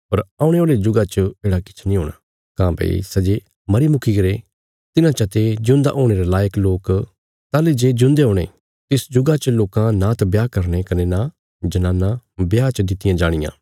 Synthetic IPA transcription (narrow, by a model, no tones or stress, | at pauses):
pɐɾaːʊ̃ɽ̃eoːled͡ʒʊɡat͡ʃəeːɽakɪ̥t͡ʃʰnĩɦoːɽ̃aː | kãːbɐ̰ḭsɐd͡ʒe | mɐɾimʊkʰikɐɾe | t̪ɪnãt͡ʃɐt̪ed͡ʒʊ̃nd̪a̰ʔoːɽ̃eɾelaːjəkloːk | t̪aːled͡ʒeːd͡ʒʊ̃nd̪eɦoːɽ̃ḛ | t̪ɪsd͡ʒʊɡat͡ʃəloːkãnat̪bjaːkɐɾñekɐnena | d͡ʒɐnãːnːãbjaːt͡ʃəd̪ɪt̪ɪjãd͡ʒaːɽ̃ɪjã̰ː